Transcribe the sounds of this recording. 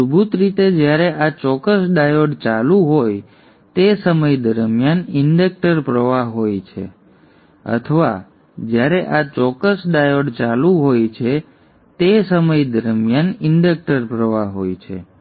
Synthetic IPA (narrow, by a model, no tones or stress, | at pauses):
subʱut̪ɾit̪ed͡ʒjaɾeʔat͡ʃɔkəsɖajoɖt͡ʃalũɦoj | t̪esəməjd̪əɾmjanɪɳɖək̚ʈəɾpɾəʋaɦɦojt͡ʃʰḛ | ə̰t̪ʰəʋa̰ | d͡ʒjaɾeʔat͡ʃɔkəsɖajoɖt͡ʃalũɦojt͡ʃʰe | t̪esəməjd̪əɾmjanɪɳɖək̚ʈəɾpɾəʋaɦo̰jt͡ʃʰḛ